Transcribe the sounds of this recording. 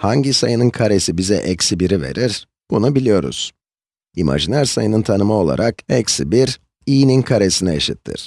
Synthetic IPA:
haɲɟisajɯnɯnkʰaɾe̞sibizɛ̰ʔɛcsibiɾive̞̰ɾiɾ̥ | b̥unubilʲijo̞ɾṵz̥ | imʔa̰ʒinʲæɾsajɯnɯnt̪ʰanɯmao̞lˠa̰ɾʔakɛcsibiɾ | iːninkʰaɾe̞sinɛeʃit̪ʰːḭɾ̥

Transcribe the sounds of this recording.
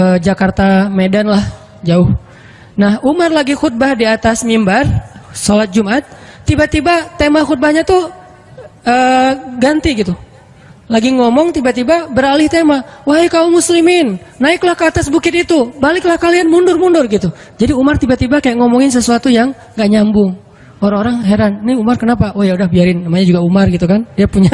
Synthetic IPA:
əd͡ʒakart̪amedanlah | d͡ʒaʊh | nahumarlaɡixut̪̚bahdiat̪asmimbarsolat̪̚d͡ʒumʔat̪̚ːibat̪ibat̪emaxut̪̚bahɲat̪u | əɡant̪iɡit̪u | laɡiŋɔmɔŋt̪ibat̪ibabəɾalɪht̪emawaɦekaumuslimɪnːaɪklahkəat̪asbukɪt̪it̪ubalɪklahkalianmundʊrmundʊrɡit̪u | d͡ʒadiumart̪ibat̪ibakajaʔŋɔmɔŋɪns̬əsuat̪ujaŋ | ɡaʔɲambʊŋ | oɾaŋoɾaŋɦeɾanniumarkənapaʔojaudahbiaɾɪnːamaɲad͡ʒuɡaumarɡit̪ukandiapuɲa

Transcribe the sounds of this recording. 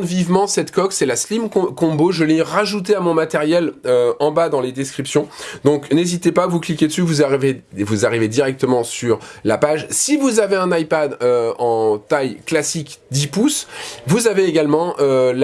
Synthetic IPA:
vivmɑ̃sɛt̪kɔksɛlaslimkɔ̃boʒəleʁaʒut̪̬eamɔ̃mat̪ɛʁjɛløɑ̃bad̪ɑ̃led̪ɛskχipsjɔ̃d̪ɔ̃knezit̪epavuklikʲed̪əsyvuzaivevuzaʁived̪iʁɛk̚t̪əmɑ̃syʁlapaʒsivuzaveɛ̃najpad̪øɑ̃t̪ajklasikd̪ipusvuzaveːɡalmɑ̃ʔøl

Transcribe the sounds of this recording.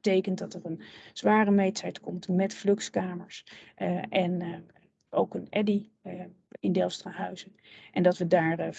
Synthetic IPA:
tejkəntdɑtərənz̥ʋaːrəmejtɛjtkɔmtmɛtflɵkskaːməɹs | ʔɛn | ʔowkənʔɛdi | ɪndɛlˠstraɦœɥzə | ʔɛndɑtʋədaːɹr

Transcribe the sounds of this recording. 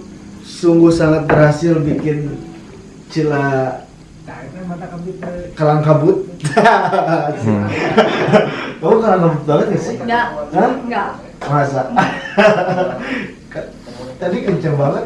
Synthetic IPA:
suŋɡuhsaŋat̪̚bərɾɦasɪlbikɪn | t͡ʃila | kalaŋkabʊt̪̚ | sɪ | kaukalaŋkabut̪̚balaasɪakaa | masa | kat̪adikəɲt͡ʃəŋbaŋət̪

